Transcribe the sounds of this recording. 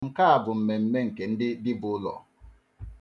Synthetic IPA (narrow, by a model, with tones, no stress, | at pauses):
ŋ̩˨ka˦a˨bʊ˨m̩˨me˨m̩˦me˦ŋ̩˨ke˨n̩˦dɪ˦dɪ˦bʊ˨˦lɔ̰˨